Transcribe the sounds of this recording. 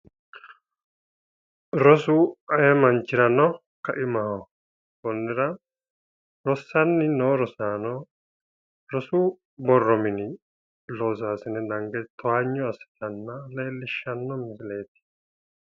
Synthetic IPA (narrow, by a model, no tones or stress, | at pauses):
ɾɔsuːɐjɛmɐnt͡ʃːɪɾɐnɔ | kɐʔɪmɐhɔ | bɔnːɪɾɐ | ɾɔsːɐnːɪnoːɾɔsaːnɔ | ɾɔsuː | bɔrːɔmɪnɪ | loːzaːsɪnɛd̪ɐŋɡɛt̪ʰɔaɲːɔɐsɪ̥t̪ɐnːɐleːlːɪʃːɐnːɔmɪsle̞ːt̪ɪ̥